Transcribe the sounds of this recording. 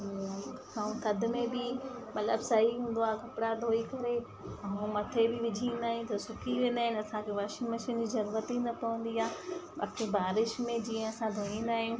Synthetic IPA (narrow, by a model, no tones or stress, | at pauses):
aːũt̪ɐd̪ʱʊ̆mẽbɪmɐt̪ləbsɐɦiɦũːn̆d̪oaːkɐpɽad̪ʱoːikɐɾe | ũmɐt̪ʰebɪʋɪd͡ʑʱiːnd̪aːɦijũt̪ɐsʊkʰiʋẽːn̆d̪aːɦɪ̃nɪɐsãkʰeʋaːʃɪməʃənd͡ʑizɐɾuːɾət̪inɐpɐʋə̃n̆d̪iaːba̰ːkʰebaːɾɪʃmẽd͡ʑĩːə̃ɐsãd̪ʱoːĩn̆d̪aːɦijũː